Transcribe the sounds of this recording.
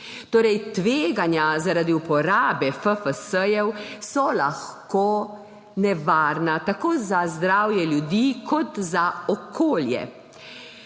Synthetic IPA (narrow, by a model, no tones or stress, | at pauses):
t̪oːɾɛjt̪ʋeːɡanjazaɾad̪iupɔɾaːbɛfəfəsəjɛwsɔlaxkoː | nɛʋaːɾnat̪akoːzazd̪ɾaːwjɛljud̪iːkɔt̪zaɔkʰoːljɛ̰